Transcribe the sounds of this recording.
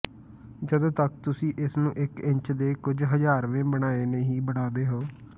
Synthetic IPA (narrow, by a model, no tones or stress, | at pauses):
d͡ʒəd̪õːt̪ək̚t̪ʊsĩːʔɪsnũːʔɪkɪ̃ɲt͡ʃd̪eːkʊd͡ʒɦəd͡ʒaːɾʋẽːbəɽ̃aːeːnẽːɦiːbəɽaːd̪eːɦoː